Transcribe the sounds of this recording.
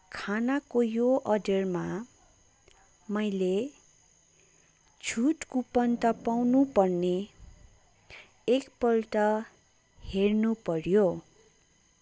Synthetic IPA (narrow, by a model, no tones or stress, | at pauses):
kʰanakojoʔʌɖʌrma | mʌjle | d͡zʰʱuʈkupʌnt̪ʌpawnupʌrne | kpʌlʈʌ | hernupʌɾjo